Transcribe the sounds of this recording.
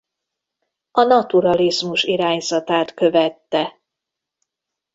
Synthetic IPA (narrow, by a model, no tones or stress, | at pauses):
ɒnɒt̪uɾɒlizmuʃiɾaːɲzɒt̪aːt̪kø̞vɛt̪ːɛ